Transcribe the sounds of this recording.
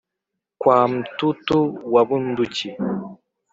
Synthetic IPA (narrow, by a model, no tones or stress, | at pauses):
kwaːm̩tutuwabun̩dut͡ʃi